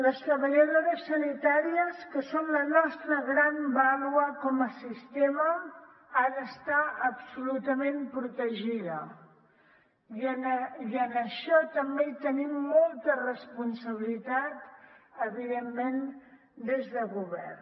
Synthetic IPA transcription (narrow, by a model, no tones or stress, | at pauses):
ləst̪ɾəβəʎəðoɾəsːənit̪aɾiəskəsonlənɔst̪ɾəɣɾambaluəkɔməsist̪emə | aɾəːst̪aəpsulut̪əmempɾut̪əʒiðə | jəniənəʃɔt̪əmbeit̪ənimːɔlˠt̪ərəspunsəβ̞ilit̪at̪əβiðemːen | d̪ezðəɣuβɛ̰r